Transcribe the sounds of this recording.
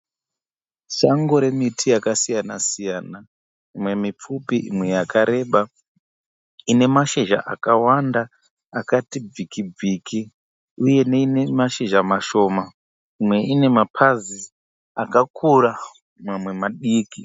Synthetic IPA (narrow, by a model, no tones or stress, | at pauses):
ʃaŋɡo̞ɾe̞mitʰijakasijanasijana | imwe̞mip͡fupiʔimwe̞jakaɾe̞ɓa | ine̞maʃeʒa̰ʔa̰kawandaː | katib͡vikib͡vikʰi | uje̞neinemaʃeʒamaʃo̞ːma | imwe̞ine̞mapʰazi | akakʰuɾa | mwamwe̞maɗiːki